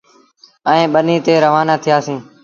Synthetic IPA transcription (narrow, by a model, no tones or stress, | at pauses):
əẽːɓəniːt̪eːɾəʋaːnaːt̪ʰɪjaːsĩː